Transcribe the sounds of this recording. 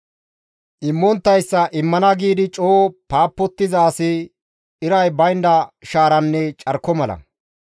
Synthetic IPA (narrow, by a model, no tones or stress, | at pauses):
ʔɪmːɔnt̪ːɐjsːɐʔɪmːɐnɐɡiːd̪ɪt͡ʃʼoːpaːpːɔt̪ːɪzaːsɪ | ɪɾɐjbɐjnd̪ɐʃaːɾɐnːɛt͡ʃʼɐɾkːɔmɐlɐ̰